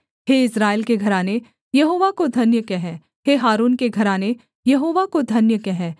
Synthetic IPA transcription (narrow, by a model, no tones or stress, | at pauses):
ɦeːɪsɾaːɪlkeɡʱɐɾaːne | jɐɦoːʋakod̪ʱɐnjəkeɦɛ̃ː | ɦeɦaːɾuːnkeɡʱɐɾaːne | jɐɦoːʋakod̪ʱɐnjəkeɦɛ̃ː